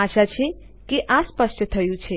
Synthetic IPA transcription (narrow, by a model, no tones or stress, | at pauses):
aʃat͡ʃʰe | keʔãspəsʈt̪ʰəjũt͡ʃʰe